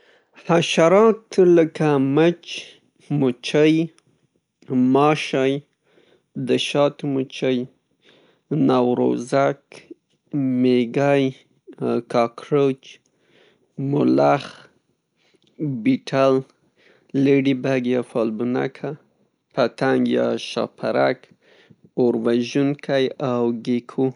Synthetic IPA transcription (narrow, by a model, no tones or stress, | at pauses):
haʃaɾɑt̪ləkamət͡ʃ | mut͡ʃəj | mɑʃɑj | d̪əʃɑt̪mut͡ʃəj | nɑwɾo̰zak | meɡaj | kɑkɾot͡ʃ | mʊlax | biʈʰal | leɖibaɡjɑfɑlbuna̰kʰa | pat̪aŋɡjɑ̰ʃɑ̰pʰaɾak | oɾwaʒunkʰajawɡekʰu